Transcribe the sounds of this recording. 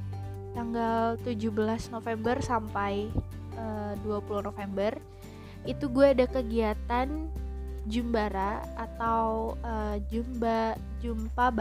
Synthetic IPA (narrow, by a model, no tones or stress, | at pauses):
t̪aŋɡalt̪ud͡ʒuhbəlasnofɛmbərsampajəduapuluhnofembər | it̪uɡuaːdakəɡiat̪an | d͡ʒumbaɾaat̪awəd͡ʒumb | d͡ʒumpab